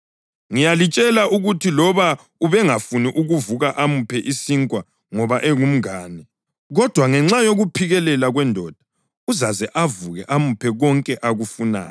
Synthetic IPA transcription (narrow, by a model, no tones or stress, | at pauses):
ŋijalit͡ʃʼɛlaʔuɣutʰilɔβa | uβɛŋafuniʔuɣuvuɣaʔamupʰɛʔisiŋkʼwa | ŋɔβaʔɛŋum̩aːnɛ | ɣɔd̥ʱwaŋɛŋ͡ǁajoɣupʰiɣɛlɛlaɣwɛndʱɔd̥ʱḁ | uzazɛʔavuɣɛʔamupʰɛɣɔŋkʼɛʔaɣufuna̰ːjɛ